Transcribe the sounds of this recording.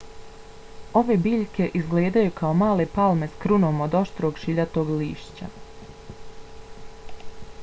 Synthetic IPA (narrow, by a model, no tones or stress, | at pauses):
o̞ʋe̞biːʎke̞ʔizɡleːd̪ajukʰaomaːle̞palˠme̞skɾunoːmo̞d̪o̞ʃt̪ɾoːɡʃiʎat̪o̞ːɡliːʃt͡ɕa̰